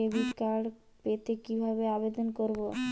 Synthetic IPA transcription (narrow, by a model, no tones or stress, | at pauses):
ebikaɽ | pet̪ekibʱabeabed̪onkoɾbo